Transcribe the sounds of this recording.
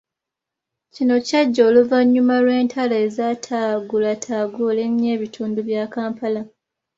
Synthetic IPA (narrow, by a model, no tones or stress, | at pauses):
cino̞caɟːo̞ːluvaɲːumalwe̞ːntʰalaezatʰaːɡulatʰaːɡule̞mje̞ːβitʰuːnduβjaːkaːmpala